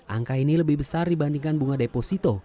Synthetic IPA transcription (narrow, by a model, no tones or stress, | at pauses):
ʔa̰ŋkainiləbɪhbəsardibandiŋkanbuŋadeposit̪ɔ